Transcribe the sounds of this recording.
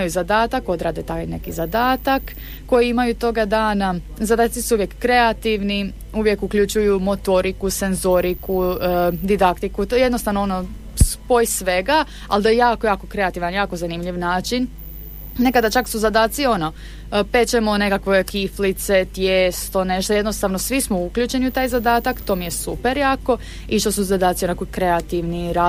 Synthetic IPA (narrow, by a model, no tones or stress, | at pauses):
iajuzad̪aːt̪ako̞d̪ɾaːd̪et̪ajne̞kizad̪aːt̪akː | o̞jiimajut̪o̞ɡad̪aːna | zad̪aːt̪sisuuʋjekːɾe̞at̪iʋni | uʋje̞kukʎut͡ʃujumo̞t̪o̞ɾikuse̞nzo̞ɾikud̪id̪akt̪ikuje̞d̪nost̪aʋnoono̞ | spojsʋe̞ɡa | a̰ld̪ajejaːkojaːko̞kɾe̞at̪iʋanjaːkozanimʎiʋnaːt͡ʃin | ne̞kad̪at͡ʃaksuzad̪aːt̪sio̞no | pe̞t͡ʃemone̞kakʋokiflit̪se̞t̪jeːst̪o̞ne̞ʃt̪oje̞d̪nost̪aʋno̞sʋismouklʎut͡ʃe̞niut̪aːjzad̪aːt̪akt̪o̞ːmije̞supe̞ɾjaːko̞ | iʃt̪osuzad̪aːt̪sio̞nakojkɾe̞at̪iʋniɾa